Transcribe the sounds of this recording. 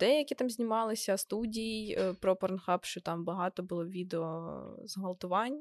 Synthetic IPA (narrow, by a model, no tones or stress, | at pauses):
d̪̥ɛjɐkʲit̪ɑmzʲnʲimɑlˠɪsʲɐst̪udʲijijpɾɔpɐɾnxɑpʃt͡ʃɔt̪ɑmbɐɦɑt̪ɔbʊlˠɔʋʲid̪eɔzɦɐlˠt̪ʊʋɑnʲ